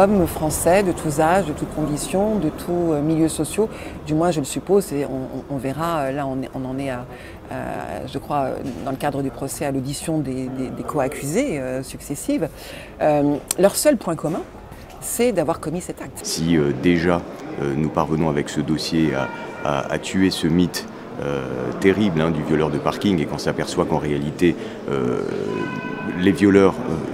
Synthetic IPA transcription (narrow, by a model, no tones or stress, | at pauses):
ɔmfχɑ̃sɛd̪ət̪ʰuzaʒd̪ət̪ut̪kɔ̃d̪isjɔ̃d̪ət̪ʰuømiljøsɔsjod̪ymwɛ̃ʒələsypozseɔ̰̃ɔ̰̃ːvɛʁaølaɔ̃nɛɔ̃nɑ̃nɛa | a̰ʒəkχwaø̰d̪ɑ̃ləkad̪ʁəd̪ypχɔsɛalod̪isjɔ̃d̪ed̪ed̪ekʰɔakʲʰyzeøsyksesiv | ølœʁsœlpwɛ̃kɔmɛ̃ | sɛd̪avwaʁkɔmisɛt̪ak̚t̪siød̪eʒaønupaʁvənɔ̃avɛksəd̪ɔsjea̰a̰a̰t̪yesəmit̪ | ø̰t̪eʁiblɛ̃d̪yvjɔlœʁd̪əpaʁkʲiŋekɔ̃sapɛʁswakɑ̃ʁealit̪e | ø̰ | levjɔlœʁø̰